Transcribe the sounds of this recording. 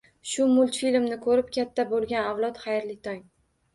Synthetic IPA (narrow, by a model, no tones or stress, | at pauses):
ʃʊmʊlˠt̪filmnɪkʰɵɾɪpkʲʰat̪ʰːabolˠɡʲanawlˠɒt̪χajɾlɪt̪ʰɒŋ